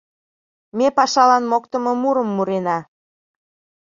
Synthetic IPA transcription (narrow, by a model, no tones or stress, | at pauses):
mepɑʃɑlɑnmokt̪əmɤmuɾəmːuɾenɑ